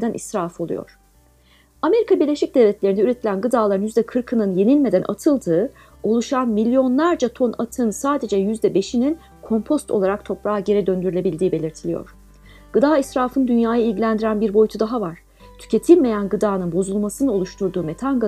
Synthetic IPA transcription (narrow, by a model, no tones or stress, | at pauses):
d̪ænʔḭsɾaːfo̞lˠṵjo̰ɾ̥ | ame̞ɾikʰabiɾlʲe̞ʃic̚d̪evlʲɛt̪lʲe̞ɾind̪ɛyɾet̪ʰilʲænɡɯd̪aːlˠaɾɯnjyzd̪ɛkʰɯɾkʰɯnɯnje̞nilʲme̞d̪ænʔa̰t̪ʰɯlˠd̪ɯː | o̞lˠuʃanmilʲːjo̞nlˠaɾd͡ʒat̪ʰo̞nat̪ʰɯːnsaːd̪e̞d͡ʒɛjyzd̪ɛbe̞ʃinin | kʰo̞mpʰo̞st̪ʰo̞̰lˠaɾak̚t̪ʰo̞pɾaːɟe̞ɾɛd̪ø̞nd̪yɾylʲe̞bilʲd̪iːbe̞lʲiɾt̪ʰilʲijo̰ɾ̝̥ | ɡ̥ɯd̪aːisɾaːfɯnd̪ynjaːjailʲɟilʲænd̪iɾænbiɾbo̞jyt̪ʰud̪aɦavaɾ̥ | t̪ʰy̥cʰe̞t̪ʰilʲme̞jænɡɯd̪aːnɯnbo̞zulˠmasɯnɯo̞lˠuʃt̪ʰuɾd̪uːmet̪ʰanɡ